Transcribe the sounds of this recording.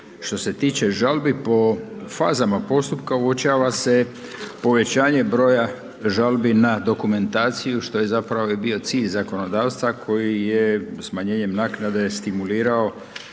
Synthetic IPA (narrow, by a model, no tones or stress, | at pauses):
ʃt̪o̞se̞t̪iːt͡ɕe̞ʒalbipo̞faːzamapo̞st̪upkauot͡ɕaːʋase̞ | po̞ʋe̞t͡ɕaːɲe̞bɾo̞ːja | ʒalbinad̪o̞kume̞nt̪aːt̪sijuʃt̪o̞je̞zapɾaʋo̞ibio̞t̪siːʎzako̞no̞d̪aːwst̪ʋakʰo̞jijesmaɲeːɲe̞mnaːknad̪e̞st̪imuliːɾao̞